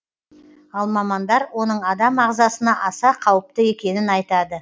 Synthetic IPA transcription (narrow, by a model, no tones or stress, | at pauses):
ɑlˠmɑmɑnd̪ɑɾwo̞nəɴɑd̪ɑmɑʁzɑsənɑʔɑsɑqʰɑwəp̚t̪əe̞kʲe̞nɪnɑjt̪ɑd̪ə